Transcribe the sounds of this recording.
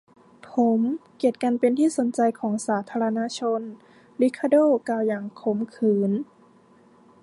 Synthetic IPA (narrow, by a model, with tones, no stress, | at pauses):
pʰo˨˩˦mki˨˩ət̪̚ka˧npe˧nt̪ʰiː˥˩so˨˩˦nt͡ɕa˧jkʰɔː˩˦ŋsaː˩˦t̪ʰaː˧ɾa˧naː˧˥t͡ɕʰo˧n | li˧˥kʰːa˧doː˥˩˨kaː˧˩wjaː˨˩ŋkʰo˨˩˦mkʰɯː˨˩˦n